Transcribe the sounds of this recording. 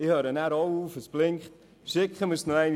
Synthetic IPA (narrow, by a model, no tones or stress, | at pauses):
ɪhøːɾənæɾɔwuːfəsb̥lɪŋχt | ʃɪkχəmusnoæɪn